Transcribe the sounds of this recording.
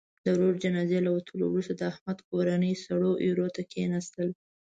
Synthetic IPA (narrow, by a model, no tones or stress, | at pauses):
d̪əɾoɾd͡ʒanɑzelawat̪ʰəlo̰wɾust̪ad̪əahmad̪koɾanəjsaɽoʔeɾot̪akʰenast̪əl